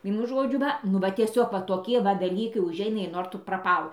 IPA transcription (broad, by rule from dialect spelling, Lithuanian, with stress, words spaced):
ˈʋʲiɛnʊ ˈʒoːd͡ʒʲʊ ˈʋɐ nʊ ˈʋɐ tʲiɛˈsʲoːk ʋɐ toːˈkʲiɛ ʋɐ dɐˈlʲiːkɐɪ ʊˈʒʲɛɪnɐ ɪr ˈnoːr tʊ prɐˈpɐlˠ